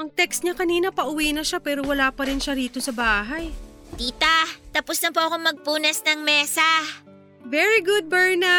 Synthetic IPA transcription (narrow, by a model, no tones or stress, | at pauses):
ʔɐŋt̪ɛkst̪ɲɐkɐniːnɐpɐʔʊwiːnɐʃapɛːɾo̞wɐlaːpɐɾɪnʃɐɾiːt̪o̞sɐbaːɦɐj | t̪iːt̪ɐt̪ɐpʊsnɐmpoːɐkoŋmɐɡ̚puːnɛsnɐŋmɛːsɐ | vɛɹiɡʊd̪̚bɛɹnɐ